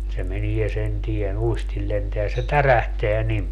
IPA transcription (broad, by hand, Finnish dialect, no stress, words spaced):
se menie sen tien uistil lenteæ se tæræhteæ nim